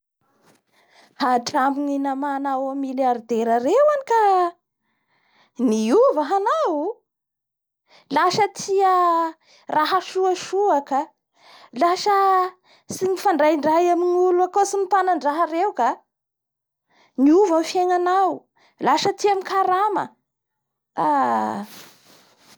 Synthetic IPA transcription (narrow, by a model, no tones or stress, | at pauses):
haʈ͡ʂampininamanawamiljaɾid̪eɾərewanika | niuvəɦanawu | laʃət̪ʰiə | rʔaɦaʃuaʃuakə | laʃə | sinifaɳɖ͡ʐajɳɖ͡ʐajaminiuluakosimip̪anaɳɖ͡ʐaɦərewka | niuvamfjeŋanaw | laʃət̪iamikaɾamə̰ | a